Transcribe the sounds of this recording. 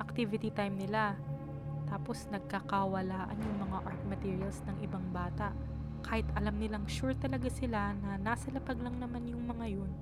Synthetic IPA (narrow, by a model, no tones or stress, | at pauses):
ʔɐk̚t̪ivɪt̪it̪ajmnɪla | t̪aːpo̞snɐɡ̚kɐkɐwɐlaːʔɐ̰njʊŋmɐŋaʔaɹt̪̚mɐt̪iːɹiɐlsnɐŋʔɪbaŋbaːt̪ɐʔ | kaːhɪt̪ʔɐlamnɪlaŋʃuɹt̪ɐlɐɡasɪlanɐnaːsɐlɐpɐɡnɐŋnɐmanjʊŋmɐŋajon